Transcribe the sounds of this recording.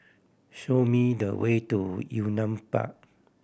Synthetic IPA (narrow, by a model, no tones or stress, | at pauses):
ʃomidəwetujunãmpa̰ʔ̚